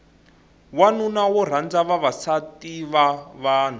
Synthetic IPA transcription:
wanunawɔr̤and͡zaβaβasatiβaβaːn̤u

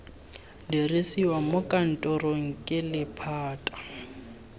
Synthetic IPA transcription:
dirisiwamʊkʼan̩tʼɔroŋ̩kʼɪlɪpʰaːtʼḁ

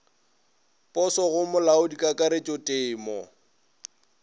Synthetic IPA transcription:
pʼɔsɔɣʊmʊlaʊdikʼakʼaɾet͡ʃʼɔtʼeːmɔ

